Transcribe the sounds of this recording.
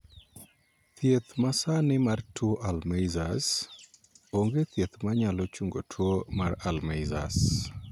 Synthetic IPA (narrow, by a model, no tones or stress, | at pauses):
t̪jet̪masanɪmartuoʔalmejzas | oŋɡet̪jet̪maɲalɔt͡ʃuŋɡotʰwomaralmeza̰s